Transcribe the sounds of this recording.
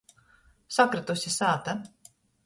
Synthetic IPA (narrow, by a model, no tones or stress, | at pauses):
sakɾɨt̪usʲisaːt̪a